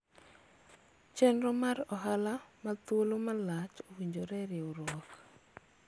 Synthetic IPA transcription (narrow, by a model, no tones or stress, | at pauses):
t͡ʃɛnɾɔmaɾɔɦalamat̪wolomalat͡ʃowiɲd͡ʒoɾɛɾɪoɾɔk